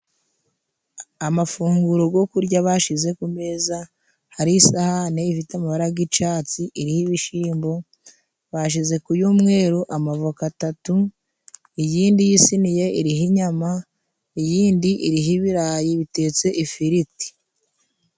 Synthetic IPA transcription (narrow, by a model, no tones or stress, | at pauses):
amafuːŋɡuɾoɡo̞kuɾɟaβaʃize̞kume̞ːza | haɾiːsahaneifitamaβaɾaɡit͡ʃaːt͡siʔiɾihiβiʃiːmbo̞ | βaʃ̬ize̞kujuːmŋe̞ːɾoʔamavokatatu | ijiːndijisinije̞ʔiɾiɦiɲama | ijiːndiʔiɾiɦiβiɾaːjiβite̞ːt͡se̞ʔifiɾiti̥